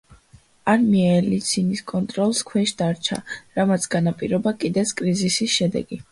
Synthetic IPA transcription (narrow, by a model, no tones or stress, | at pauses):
aɾmiaɛlit̪sʰiniskʼɔnt̪ʼɾɔlˠskʰwɛʃd̪̥aɾt͡ʃʰa̰ɾamat̪sʰɡ̥anapʼiɾɔbakʼid̪ɛt̪sʰkʼɾizisisʃɛd̪ɛ̰ɡi